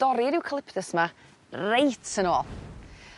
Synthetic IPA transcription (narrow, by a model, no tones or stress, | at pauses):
d̥ɔɾɪɾɪwkʰəlˠɪpʰdəsma | rejtʰənoːlˠ